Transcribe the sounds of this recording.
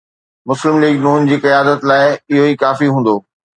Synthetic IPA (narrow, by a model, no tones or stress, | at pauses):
mʊslɪmliːɡnuːnd͡ʑiːkɪjaːd̪ət̪laːɪɪɦoiːkaːfiɦũːn̆d̪oː